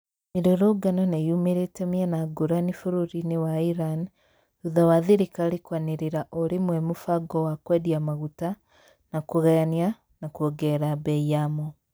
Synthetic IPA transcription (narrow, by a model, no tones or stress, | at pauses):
miɾoɾoɡananajumeɾetemianaɡuɾanifuɾuɾinewaiɾan | uðawaðiɾikaːɾikwaneɾeɾaʔoɾemwɛmufaɡɔwakwɛðiamaɣuta | nakoɣɛnja | nakwoɡɛɾabɛiamo